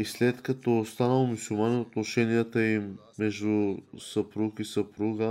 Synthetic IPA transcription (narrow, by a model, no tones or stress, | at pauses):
islɛt̪kɐt̪ɔst̪anəlˠmʊsulˠmanɛnot̪noʃɛnijət̪əimː | ɛʒd̪ʊsɐpɾukisəpɾuɡə